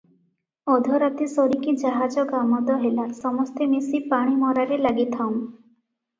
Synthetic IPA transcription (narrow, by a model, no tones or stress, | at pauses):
ɔd̪ʱɔɾat̪isɔɾikid͡ʒaɦad͡ʒɔɡamɔd̪ɔɦelasɔmɔst̪emisipaɽ̃imɔɾaɾelaɡit̪ʰam